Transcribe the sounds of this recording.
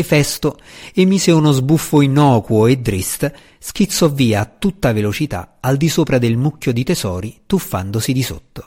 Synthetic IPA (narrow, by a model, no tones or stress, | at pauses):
fɛst̪oemːiːseunozbufːoinɔːkwoed̪ːɾist̪ | sk̟it̪sːɔvːiːaːt̪ːut̪ːavelot͡ʃit̪a̰ald̪isoːpɾad̪elmukʲːjod̪it̪ezɔːɾit̪ufːa̰nd̪osid̪iso̰t̪ːo̥